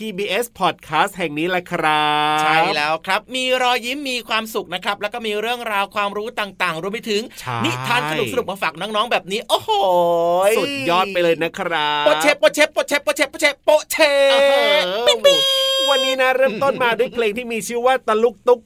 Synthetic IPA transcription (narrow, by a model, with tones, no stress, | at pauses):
kʰiː˧biː˧ʔe˦˥spʰɔː˨˩t̪̚kʰaː˦˥st̪̚hɛ˨˩ŋniː˦˥lɛ˧˥kʰɾa˦˥t͡ɕʰa˥˩jlɛː˦˥wkʰɾa˦˥p̚miː˧ɾɔː˧jji˦˥mːiː˧kʰwaː˧msu˨˩k̚na˦˥kʰɾa˦˥p̚lɛː˦˥wkɔː˥˩miː˧ɾɯ˥˩əŋɾaː˧wkʰwaː˧mɾuː˦˥t̪aː˨˩ŋt̪aː˨˩ŋɾu˧əpa˧jt̪ʰɯ˩˦ŋt͡ɕʰni˦˥t̪ʰaː˧˥˩nsadu˨sadu˨˩p̚maː˧˩faː˨˩k̚nɔː˧˥ŋnɔː˦˥ŋbɛː˨˩p̚niː˦˥ʔoː˧˩hoː˨˩su˨t̪̚jɔː˥˩t̪̚pa˧jlɤː˧jna˦˥kʰa˧ɾa˦˥po˧˥t͡ɕʰeː˦˥pːoː˧˥t͡ɕʰeː˦˥pːoː˧˥t͡ɕʰe˦˥pːoː˧˥t͡ɕʰe˦˥pːoː˧˥t͡ɕʰeː˦˥poː˧˥t͡ɕʰeː˧˥ | wa˧nːiː˦˥na˦˥ɾɤː˥˩mt̪o˥˩mnmaː˧du˥˩əjpʰleː˧ŋt̪ʰiː˥˩miː˧t͡ɕʰɯː˥˩waː˥˩t̪a˧lu˦˥k̚t̪u˦˥k̚